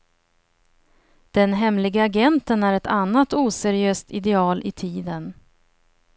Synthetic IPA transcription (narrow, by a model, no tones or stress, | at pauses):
d̪̥ɛnɦɛmlɪɡaaɡɛnt̪ənæɾɛt̪ʰanːat̪uːsæɾɪøːst̪ɪd̪ɛɑːlʔɪt̪ʰiːd̪ən